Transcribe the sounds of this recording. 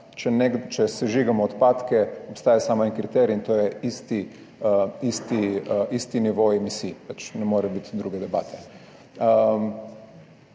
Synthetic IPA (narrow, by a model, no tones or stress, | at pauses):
t͡ʃɛnɛɡt͡ʃɛsɛʒiɡamɔːt̪pat̪kɛopst̪aːjasaːmaɛnkɾit̪ɛɾiint̪oːjɛist̪i | ist̪iʔist̪iniʋoɛmisiːpat͡ʃnɛmoːɾɛbit̪d̪ɾuːɡɛd̪ɛbaːt̪ʰɛ̥